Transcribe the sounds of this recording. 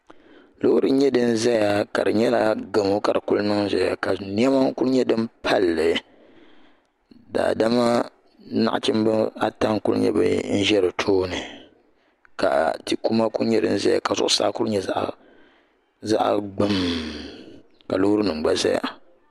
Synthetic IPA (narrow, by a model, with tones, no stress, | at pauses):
lo˦ɾɨ˦ɲɛ˦dɨ˦n˦za˦ja˨ka˨dɨ˨ɲɛ˦la˦ɡɨ˨mo˦ka˨dɨ˨ku˦lnɨ˦za˨ja˨ka˨ni˦ɛ˦ma˦ku˦ɾɲɛ˦dɨ˦mpʰa˦lːɨ˨ | da̰ː˨da˦ma˦ | na̰˦ʔt͡ʃɪ˦mbɨ˦a˦ta˦ŋku˦l̰ɲɛ̰˦bɨ̰˦n̩˦ʒɛ˦ɾɨ˨tʰoː˦nɨ˨ | ka˨ti˦ku˦ma˦ku˦ɲɛ˦dɨ̰˦n̩˦za˦ja̰˨ka˨zʊ̰˦ʔʊ˦saː˦ku˦ɲɛ˦a˦ʔ | za̰˦ʔɡ͡bɨ˦m | ka˨lo˦hɾɨ˦nɨ˨ŋ͡mɡ͡ba˦za̰˦ja̰˨